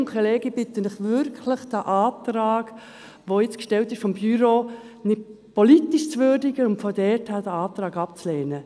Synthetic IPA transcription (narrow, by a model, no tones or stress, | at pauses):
ŋkχolɛːɡib̥ɪt̪ənɪχʋʏɾkʰləχd̥æʔɑːtrɑːɡ | ʋojɪt͡skʃtɛltɪʃfɔmbyɾo | nɪd | politiʃt͡sʋʏːɾdɪɡəʊntfɔdɛthæːd̥əɑːtɾɑːɡɑpt͡sleːnə